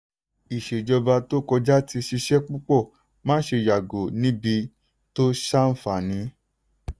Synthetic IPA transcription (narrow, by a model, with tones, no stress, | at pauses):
i˨ʃe˨d͡ʒɔ˧ba˧to˦kɔ˧d͡ʒa˦ti˧ʃi˧ʃɛ˦k͡pu˦k͡pɔ˦˨ | mãː˦ʃe˧ja˨ɡo˨nĩ˨˦bi˧ | to˦ʃa˦n̩˦fa˦˨nĩ˨˦